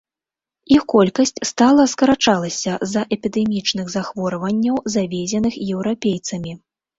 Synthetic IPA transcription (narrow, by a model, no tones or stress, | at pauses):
ixkɔlʲkɐsʲt͡sʲst̪alˠɐskɐɾat͡ʂalˠɐsʲɐzɐʔɛpʲid̪ɛmʲit͡ʂnɨɣzaxvɔɾɐvɐnʲːɐwzavʲɛzʲɛnɨxjɛwɾapʲejt̪sɐmʲi